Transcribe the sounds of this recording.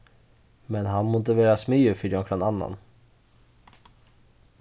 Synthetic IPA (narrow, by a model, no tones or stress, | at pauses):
mɛnɦanmʊnt̪ɪveːɾasmeɵfʏd̪ɔŋkʰɾananːa̰n